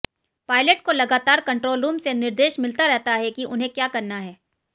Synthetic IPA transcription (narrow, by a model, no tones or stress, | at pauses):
paːɪləʈ̚kolɐɡaːt̪aːɾkɐ̃ɳʈɾoːlɾuːmsenɪɾd̪eːʃmɪlt̪aɾɛɦt̪aɦɛkiʔʊnɦẽkjaːkɐɾnaɦɛː